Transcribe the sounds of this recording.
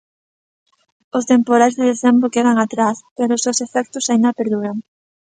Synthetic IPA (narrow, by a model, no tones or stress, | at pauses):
ʊst̪empoɾajzðeðeθembɾokeðaŋat̪ɾaspeɾʊsewsefɛk̚t̪ʊsaind̪apeɾðuɾaŋ